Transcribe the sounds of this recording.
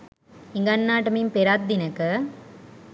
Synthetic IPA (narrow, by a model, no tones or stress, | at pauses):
ɪŋɡɐnːaːʈɐmimpeɾaːt̪̚d̪inɐkːɐ